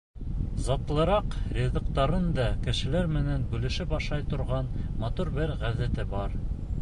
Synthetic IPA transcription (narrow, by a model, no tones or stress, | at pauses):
zɑt̪lˠɤ̆ɾɑqɾʲed̪ɑqt̪ɑɾɤnd̪ɑkɘ̆ʃɘ̆læɾmɘ̆nænbʉlɘ̆ʃɘpɑʃˠɑjt̪ŏɾʁɑnmɑt̪uɾbɘɾʁæðæt̪ɘbɑɾ